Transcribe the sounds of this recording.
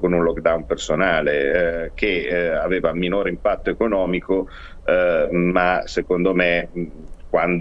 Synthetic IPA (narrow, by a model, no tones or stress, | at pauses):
konunlɔkd̪awnpersonaːlekeaveːvaminoːɾeimpat̪ːoekonɔːmiko | masekond̪ome | kwand̪